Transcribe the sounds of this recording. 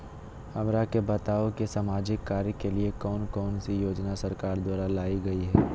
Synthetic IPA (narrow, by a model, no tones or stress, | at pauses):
hɐmɾakebɐt̪aːokesaːmaːd͡ʒɪkːaːɾjəkeliekɔːnkɔːnsijoːd͡ʒnasɐɾkaːɾd̪waːɾalaːiɡɐiɦɛː